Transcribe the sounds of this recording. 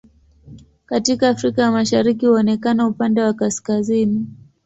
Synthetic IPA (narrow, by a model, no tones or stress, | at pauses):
katikaːfɾikajamaʃaɾikihuɔnɛkanaupandɛwakaskazini